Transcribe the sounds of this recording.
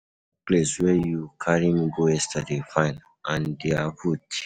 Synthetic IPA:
pleswɛjukʰaɾimiɡojɛstʰadefãɪn | ãndeakʰut

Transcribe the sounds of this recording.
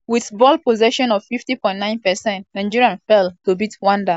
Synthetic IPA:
wiθbɔlpozɛʃɔ̃nɔv̥fiftipɔ̃ɪ̃ntnãɪ̃npɛsɛ̃ntnãɪ̃d͡ʒiɹiãnfɛltobitwɔ̃ndə

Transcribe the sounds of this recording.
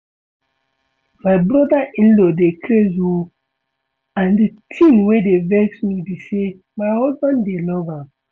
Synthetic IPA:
majbɾɔdaʔĩnlodekʰlezo | ãndətʰĩnwedevɛksmibise | maɪhɔzbãndenɔva

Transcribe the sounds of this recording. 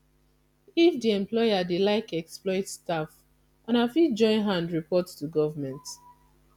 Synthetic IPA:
ifdiɛ̃mplɔjadelaɪkɛksplɔɪtstaf | ãnafid͡ʒɔ̃ɪ̃nɦãndɹipɔtstuɡɔvamɛ̃nt

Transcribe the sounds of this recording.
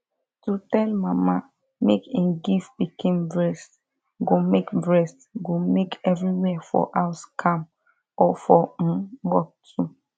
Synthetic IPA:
tutɛlmama | mekẽnɡifbikʰĩmbɹɛs | ɡomekbɹɛs | ɡomekɛvɹiwɛafɔ̰ʔaʊskʰãm | ɔfɔ̃wɔk̚tʰu

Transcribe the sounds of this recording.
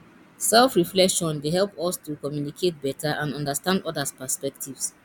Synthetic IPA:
sɛlfɹiflɛkʃɔ̃nweɦɛlpɔstukɔmjunikʰet̚bɛtʰaʔãnɔ̃ndəstãndɔdəspəspɛktʰivs

